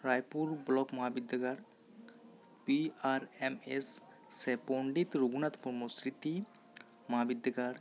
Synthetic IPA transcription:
ɾajpuɾblɔkmɔɦabid̪ʱaɡaɽ | piaɾemesː | epɔɳɖit̪ɾuɡunat̪pɔɾmosɾit̪i | mɔɦabid̪ʱaɡaɽ

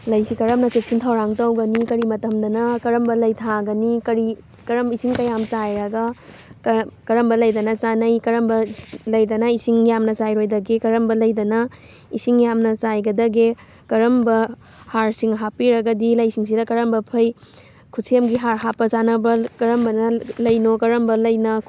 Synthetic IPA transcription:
lɐjsikɐɾɐmnɐt͡ʃek̚sintʰawɾaŋtɐwɡɐnikɐɾimɐtɐmdɐnɐkɐɾɐmbɐlɐjtʰaɡɐnikɐɾi | kɐɾɐmisiŋkɐjamt͡ʃajɾɐɡɐ | kɐɾɐmbɐlɐjdɐnɐt͡ʃanɐjkɐɾɐmbɐlɐjdɐnɐisiŋjamnɐt͡ʃajɾojdɐɡekɐɾɐmbɐlɐjdɐnɐ | isiŋjamnɐt͡ʃajɡɐdɐɡe | kɐɾɐmbɐ | haɾsiŋɦapiɾɐɡɐdilɐjsiŋs̬idɐkɐɾɐmbɐpʰɐj | kʰusʰiemɡiɦaɾɦapːɐt͡ʃanɐbɐkɐɾɐmbɐnɐlɐjnokɐɾɐmbɐlɐjnɐ

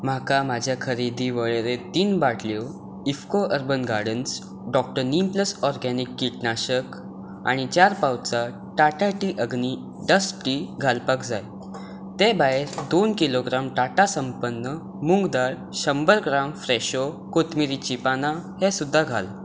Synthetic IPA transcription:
m̤akamad͡ʑʱjakʰəɾid̪ʱiʋəɭeɾet̪iːnbaʈlow | ifkoʔəɾbənɡaɽəns | ɖɔk̚ʈəɾnimpləsɔɾɡɛnikːiʈnaɕək | a̰ɽ̃it͡ɕaɾpawt͡sa | ʈaʈaʈiʔəɡni | ɖəsʈiɡʱalpakd͡za̰j | t̪ebaɦeɾd̪onkiloɡɾamʈaʈasəmpənːə | muŋɡd̪aɭ | ɕəmbəɾɡɾamfɾeɕo | kot̪miɾit͡ɕipanahesud̪ʱːaɡʱa̰l

